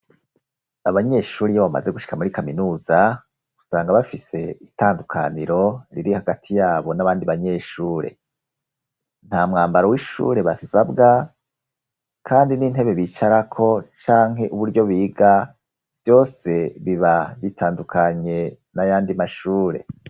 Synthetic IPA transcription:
aβaɲe̞ʃuːɾijoβama̰ze̞ɡuʃi̥kamuɾikaminuːza | ɡusaːŋɡaβafise̞itaːndukʰa̰niɾo̞ɾḭɾihaɡatʰijaːβo̞naβaːndiβaɲe̞ːʃuːɾe̞̰ | n̥haːmŋaːmbaɾowiʃṵːɾe̞βasabɡa | kʰaːndiniːn̥ɦe̞βe̞βiːt͡ʃaɾakʰo̞t͡ʃaːŋɦe̞ʔuβuɾɟo̞βiːɡa | v̥jo̞ːse̞βiβaβitʰaːndukʰaɲe̞ | najaːndimaʃuːɾe̞̰

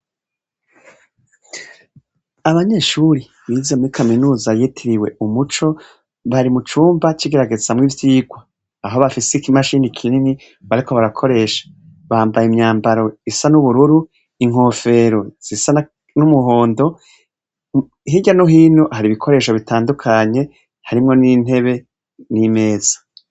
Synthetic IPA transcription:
aβaɲe̞ːʃuɾi | βiːzemuɾikʰaminuːzajetʰiɾiwe̞umut͡ʃo̞ | βaɾimut͡ʃuːmbat͡ʃiɡe̞ɾaɡe̞z̥amŋivjiːɡwaː | ɦoβafisekimaʃiːnikʰinini | βaɾiko̞βaɾakʰo̞ɾe̞ːʃḁ | βaːmbajimɲaːmbaɾo̞isanuβuɾuɾu | iŋ̥ho̞ːfe̞ɾoz̥isan | numuɦo̞ːndo̞ | ɦiɟanuɦiːnuhaɾiβikʰo̞ɾe̞ːʃoβitʰaːndukʰaɲe̞ | haɾimŋo̞nin̥e̞βe̞ | nime̞ːz̥ḁ

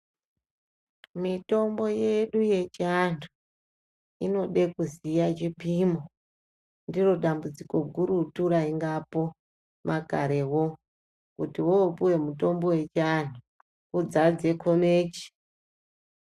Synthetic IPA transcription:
mito̞mbo̞je̞ɗuje̞t͡ʃiandu | ino̞ɗe̞kuzijat͡ʃipimo | ndiro̞ɗambud͡ziko̞ɡʱuɾutuɾaiŋɡapo̞ | mʔakaɾe̞wo̞ | kutiwopuwe̞muto̞mbo̞we̞t͡ʃiandʰʱu | kud͡zad͡ze̞kʰo̞meːt͡ʃi̥

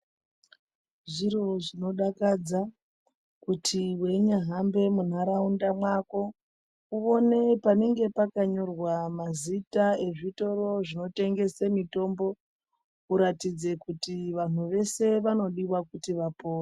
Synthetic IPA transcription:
ʐiro̞ʐino̞ɗakad͡za | kutʰiwe̞ɲaɦambe̞mun̤aɾaundamwako̞ | uo̞ne̞pane̞ŋɡe̞pakaɲo̞rwamazitae̞ʐito̞ɾo̞ʐino̞te̞ŋɡe̞semito̞mbo̞ | uɾatid͡ze̞kutiʋan̤uʋe̞se̞ʋano̞ɗiwakutiʋapo̞ːra

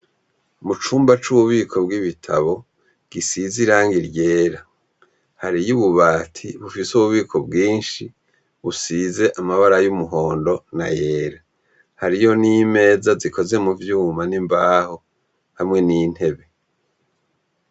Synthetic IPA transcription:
mut͡ʃuːmbat͡ʃuβuβiːkʰo̞bɡiβitʰaβo̞ | ɡ̥isiziɾaːŋɡiɾɟe̞ːɾa | haɾijuβuβaːtʰiβufisuβuβiːkʰo̞bɡiːnʃi | βusiːze̞ʔamaβaɾajumuɦo̞ːndo̞naje̞ːɾa | haɾijo̞nime̞ːzazikʰo̞ze̞muvjuːmanimbaːho̞ | hamŋe̞niːn̥he̞βe̞

